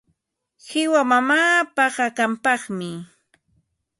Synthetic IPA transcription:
hɪwamamaːpɑɢakampɑχmɪ

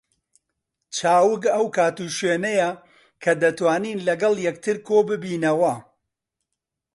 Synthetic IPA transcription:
t͡ʃʰaːwɨk̬ɐwkʰaːt̪uʃweːnɐjɐ | kʰɐd̪ɐt̪waːniːnlɐɡɐlˠjɛk̚t̪ʰɨɾkʰoːbɨbiːnɐwɐ

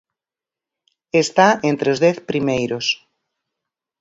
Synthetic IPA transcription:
est̪aent̪ɾeozðɛθpɾimejɾos

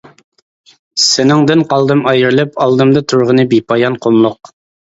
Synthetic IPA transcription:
sɪnɪŋd̪ɪnqɑlˠd̪ɨmɑjɨɾlˠɪpɑlˠd̪ɨmd̪ɨt̪ʰuɾʁənɨbipʰɑjɑnqʰomlˠʊq

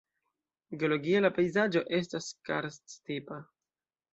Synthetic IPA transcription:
ɡeo̞lo̞ɡialapejzad͡ʒo̞ʔe̞s̬taska̰ɾststipa

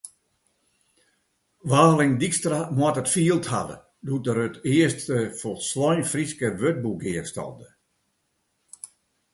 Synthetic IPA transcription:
ʋaːlɪŋdikstramwatətfiːəlˠtha̰və̰ | dut̚dəɾøtɪəstəfɔlˠslɔjnfriskəʋøt̚buɡɪəstɔ̰lˠdə

